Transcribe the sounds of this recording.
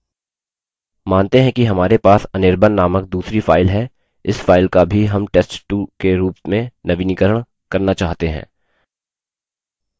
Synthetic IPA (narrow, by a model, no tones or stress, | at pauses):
maːnt̪eɦɛ̃kiɦɐmaːɾepaːsɐnɪɾbʱənːaːmək̚d̪uːsɾifʰaːɪlɦɛ | ɪsfaːɪlkabʱiɦɐmʈeːsʈʈukeɾuːpmẽnɐʋinɪkəɾəɽ̃ | kɐɾnat͡ʃaːɦt̪eɦɛ̰̃ː